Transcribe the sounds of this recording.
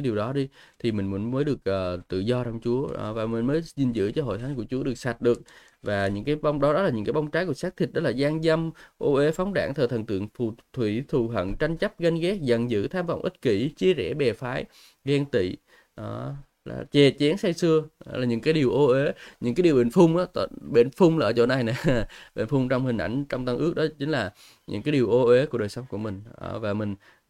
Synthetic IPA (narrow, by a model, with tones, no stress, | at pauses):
aː˨˦jɗi˨˩əwɗɔ˨˦ɗi˧t̪ʰi˨˩mï˨˩ŋ̟mə˨˦nməː˨˦jɗɨ˨˩ək̚ʔəː˨˩t̪ɨ̰˧˨zɔ˧t͡ɕɔ˧wŋ͡mt͡ɕu˨˦ə˨˩vaː˨˩mï˨˩ŋ̟məː˨˦jzi˨˩nzɨ̰˧˥t͡ɕɔ˧ɦo̰˧˨jt̪ʰa˨˦ŋku˧˩ət͡ɕu˨˦əɗɨ˨˩ək̚sa˨˩t̚ɗɨ˨˩ək̚ | vaː˨˩ɲɨ̰˧˥ŋkaː˨˦jɓa˧wŋ͡mɗɔ˨˦ɗɔ˨˦la˨˩ɨ˧˥ŋkaː˨˦jɓa˧wŋ͡mt͡ɕaː˨˦jku˧˩əsa˦˥k̚t̪ʰi̟˨˩ɗɔ˨˦laː˨˩zaː˧ŋza˧mʔo˧ʔe˨˦fɔ˨˦wŋ͡mɗa̰ː˧˩ŋt̪ʰəː˨˩t̪ʰə˧˩nt̪ɨ̰˧˨əŋfu˧˨˩t̪ʰwḭ˧˥t̪ʰu˨˩ɦə̰˧˨nt͡ɕa˧jŋ̟t͡ɕə˦˥p̚ɣa˧jŋɣɛ˦˥k̚zə̰˧˨nzɨ̰˧˥t̪ʰaː˧mva̰˧˨wʔï˦˥t̚ki˧˩t͡ɕi˧əzɛ˧˩ɓɛ˨˩faː˨˦j | ɣɛ˧ŋt̪ḭ˧˨ | ʔə˧˩ | la̰ː˨˩t͡ɕɛ˨˩t͡ɕɛ˨˦ənsa˧jsɨ˧ə˧˨˦laː˨˩ɲɨ̰˧˥ŋkaː˨˦jɗi˨˩əwʔo˧ʔe˨˦ɲɨ̰˧˥kaː˨˦ɗi˨˩wɓḛ˧˨˩nfʊ˧wŋ͡mʔaː˨˦t̪ːɓe˧˩nfʊ˧ŋ͡mlaː˨˧˩t͡ɕo˧˩na˧jna˧˨˩ɓḛ˧˩nfʊ˧ŋ͡mt͡ɕɔ˧wŋ͡mhï˨˩ŋ̟ʔa̰˧˩jŋ̟t͡ɕɔ˧wŋ͡mt̪a˧ŋʔɨ˦˥ək̚ɗɔ˨˦t͡ɕï˨˦ŋ̟laː˨˩ | ɲɨ̰˧˥ŋkaː˨˦jɗi˨˩əwʔo˧ʔe˨˦kəɗəː˨˩jsə˨˦wŋ͡mku˧˩əmï˨˩ŋ̟ʔə˧˩vaː˨˩mï˨˩ŋ̟